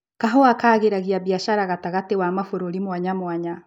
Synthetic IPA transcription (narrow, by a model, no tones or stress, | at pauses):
kaɦoakaːɣeɾaɣiaβjaʃaɾaɣataɣatewamafoɾoɾimwaɲamwaɲa